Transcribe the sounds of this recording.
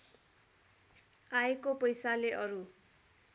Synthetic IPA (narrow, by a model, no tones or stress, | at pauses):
aekopʌjsaleʔʌɾu